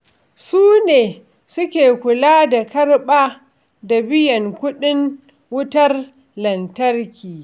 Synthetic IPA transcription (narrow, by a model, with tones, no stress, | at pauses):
suː˦neː˨ | sʊ˦kʲeː˨kʷʊ˨laː˦da˨kɐ˦rɓaː˦ | da˨bɪ˦jɐ˨ŋkʷʊ˦ɗɪ˦ŋ | wʊ˦tɐ˦r | lɐ˨ntɐ˦rkʲiː˨